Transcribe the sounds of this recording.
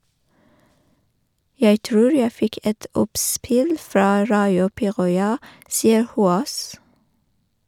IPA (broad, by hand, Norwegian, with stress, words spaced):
ˈjæɪ ˈtɾuːɹ ˈjæɪ ˈfɪk ˈɛt ˈɔpˌspɪl ˈfɾɑː ˈɹɑɪʊ ˈpiːʁɔʏɑ ˈsiːə ˈhuːoːs